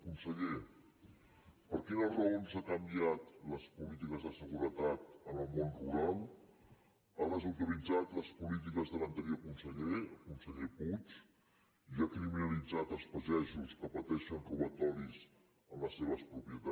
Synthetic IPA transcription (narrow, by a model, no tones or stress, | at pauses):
kunsəʎe | pəɾkinəlˠrəonzakəmbiat̪ləspulit̪̬ikəzðəsəɣuɾət̪at̪ənəlˠmonruɾalˠ | arəzuwt̪ilid͡zat̪ləspulit̪̬ikəzðələnt̪əɾjokunsəʎeəkunsəʎeput͡ʃ | iakɾiminəlid͡zat̪əlˠspəzɛʒuskəpət̪ɛʃənruβət̪ɔɾiz | ənləsːeβ̞əspɾupiət̪a